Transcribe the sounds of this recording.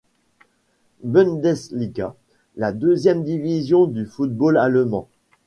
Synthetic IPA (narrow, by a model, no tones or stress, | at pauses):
bɔnd̪ɛsliɡa | lad̪øzjɛmd̪ivizjɔ̃d̪yfut̪̚bolalmɑ̰̃